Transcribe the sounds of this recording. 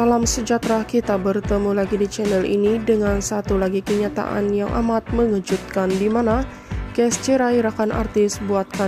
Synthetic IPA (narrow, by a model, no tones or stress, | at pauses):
alamsəd͡ʒat̪ɾakit̪abərt̪əmulaɡidit͡ʃɛnɛlʔḭnidəŋansat̪ulaɡikəɲat̪a̰ʔa̰njaŋʔa̰mat̪̚məŋəd͡ʒut̪̚kandimana | kɛst͡ʃiɾaiɾakanʔa̰rt̪ɪsbuat̪̚ka